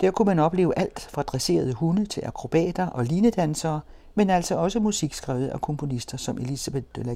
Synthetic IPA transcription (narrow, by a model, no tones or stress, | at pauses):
d̥æɐ̰kʰumænɒ̽b̥le̝̰ːʊəʔæl̰d̥fʁɑ̈d̥ʁɛse̝̰ːɐð̞ˠəhunət͡sʰe̝lʔɑkʰʁo̝b̥ɛ̰ːd̥ɐʔɒ̽liːnəd̥ænsɐː | menæl̰sɒ̽ɒ̽səmusiɡ̥sɡ̥ʁɛːʊð̞̩ˠækʰɔ̽mpʰo̝nisd̥ɐsɒ̽mʔe̝lisæb̥e̥d̥ølæ